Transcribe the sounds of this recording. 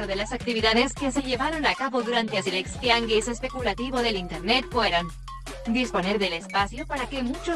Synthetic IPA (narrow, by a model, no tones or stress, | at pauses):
ɾðe̞lasak̚t̪iβiðaðe̞ske̞se̞ʝe̞βaɾo̞nakaβo̞ðuɾant̪easilekst̪jaŋɡise̞spe̞kulat̪iβo̞ðe̞lint̪eɾne̞t̪fwe̞ɾan | d̪ispo̞ne̞ɾðe̞le̞spasjo̞paɾake̞mut͡ʃo